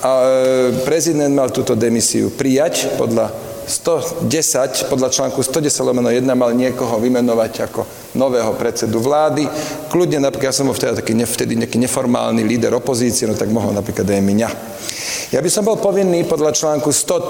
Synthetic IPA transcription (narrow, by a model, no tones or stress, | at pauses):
apɾɛzid̪ɛnd̪malt̪uːt̪ɔd̪ɛmisḭṵpɾijacpɔ̰d̪ʎa | st̪ɔɟɛsacpɔd̪ʎat͡ʃlaːŋkust̪ɔɟɛsaɟlɔmɛnɔjɛd̪namalɲɪɛkɔɦɔʋimɛnɔʋacakɔ | nɔʋɛːɦɔpɾɛt͡sɛd̪uʋlaːd̪iklud̪ɲɛnapik̪jasɔmbɔlft̪ɛd̪at̪akiːɲɛft̪ɛd̪iɲakiːɲɛfɔɾma̰ːlniliːd̪ɛ̰ɾɔpɔziːt͡siɛnɔt̪aɡmɔɦɔ̰lnapɾiːklad̪ajmiɲa | jabisɔmbɔlpɔʋinːiːpɔd̪lat͡ʃlaːŋkust̪ɔ